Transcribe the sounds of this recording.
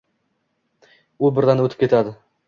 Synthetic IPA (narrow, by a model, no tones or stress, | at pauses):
ulˠbɪɾd̪ɑnwɵt̪ɪ̥p̚kʰʲe̞t̪ad̪ɪ